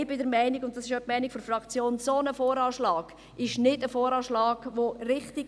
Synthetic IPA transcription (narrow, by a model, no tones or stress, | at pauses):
ɪbɪdəɾmæɪniɡʊnt̚d̥ɑsɪʃœp̚mæɪnikfɔɾfrɑkt͡sjoːnsonəfoːɾɑːʃlɑːɡ̥ | ɪʃnɪdəfoːɾɑːʃlɑːɡ̥ʋoɾɪχtiɡ